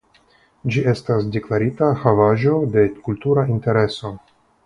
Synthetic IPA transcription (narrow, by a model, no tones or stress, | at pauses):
d͡ʒie̞stasde̞klaɾitahavaʒo̞de̞kultuɾainte̞ɾe̞so̞